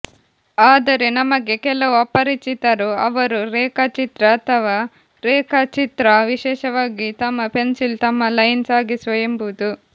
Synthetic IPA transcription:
aːd̪ɐɾe̞nɐmɐɡe̞kɛlɐʋuɐpːɐɾit͡ʃit̪ɐɾuɐʋɐɾuɾɛːkɐt͡ʃit̪ɾɐːt̪ʰɐʋaː | ɾɛːkɐt͡ʃit̪ɾɐʋiʃɛːʃɐʋaːɡit̪ɐmːɐpensilt̪ɐmːɐlɐjnsaːɡisʋɐjɐmbud̪u

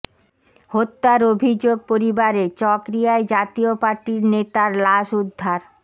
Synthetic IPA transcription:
hot̪ːaɾobʱid͡ʑoɡ̚poɾibaɾet͡ɕɔkɾijaed͡ʑat̪iopaɾʈiɾnet̪aɾlaʃud̪ʱːaɾ

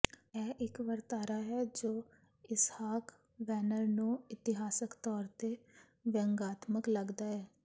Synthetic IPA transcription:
ɛːʔɪkʋəɾt̪aːɾaːɦɛːd͡ʒoː | ɪshaːk | ʋɛːnəɾnũːɪt̪ɪɦaːsəkt̪ɔːɾt̪eː | ʋə̃ŋɡaːt̪məkləɡd̪aːɛː

